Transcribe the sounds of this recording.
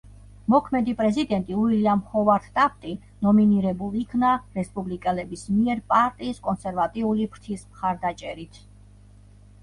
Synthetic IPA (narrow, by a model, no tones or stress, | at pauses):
mɔkʰmɛd̪ipʼɾɛzid̪ɛnt̪ʼiuiliamhɔvaɾt̪ʰt̪ʼap̚ʰt̪ʼi | nɔminiɾɛbulˠikʰnaɾɛspʼublikʼɛlɛbismiɛɾpʼaɾt̪ʼiːskʼɔnsɛɾvat̪ʼiulipʰɾt̪ʰismχaɾd̪at͡ʃʼɛɾit̪ʰ